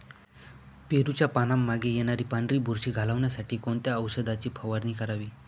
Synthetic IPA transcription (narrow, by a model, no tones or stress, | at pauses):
peɾut͡ɕjapanamːaɡejenaɾiːpaɳɖɾiːbʱuɾɕiːɡʱalaʋɳjasaʈʰiːkoɳt̪jaəʋsəd̪at͡ɕiːpʰəʋaɾniːkəɾaʋiː